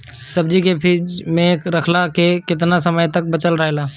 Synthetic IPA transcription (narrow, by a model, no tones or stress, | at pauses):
səbd͡ʒikepʰiːd͡ʒmẽkɾəkʰlakekɪt̪̬nasəməjt̪ək̚bət͡ʃəlɾəɦelaː